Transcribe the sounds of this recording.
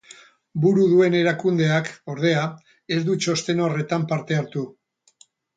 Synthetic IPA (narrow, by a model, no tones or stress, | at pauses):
buɾuðue̞ne̞ɾakund̪e̞ako̞ɾð̞e̞a | e̞zd̪ut͡ʃo̞st̪e̞no̞re̞t̪ampaɾt̪e̞aɾt̪u